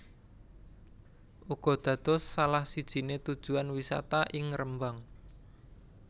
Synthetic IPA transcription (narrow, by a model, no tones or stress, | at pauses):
ʔuɡ̥ɔ̤d̪̥ä̤d̪̥ɔ̤sːalahsid̥ʒ̥i̤net̪ud̥ʒ̥ṳanwisa̰t̪aʔɪŋɾəmbaŋ